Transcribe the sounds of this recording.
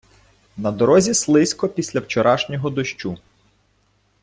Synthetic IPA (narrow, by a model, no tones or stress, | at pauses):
nɐd̪ɔɾɔzʲislˠɪsʲkɔpʲisʲlʲɐwt͡ʃɔɾɑʃnʲɔɦɔd̪ɔʃt͡ʃu